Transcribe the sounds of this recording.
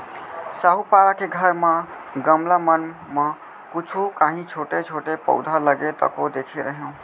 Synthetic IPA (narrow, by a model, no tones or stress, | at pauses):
saɦupaɾakeɡʱəɾmə | ɡəmlamənmə | kut͡ʃʰukaɦĩt͡ʃʰoʈet͡ʃʰoʈepə̰ʊd̪ʱaləɡet̪ə̰kod̪ekʰeɾəɦẽ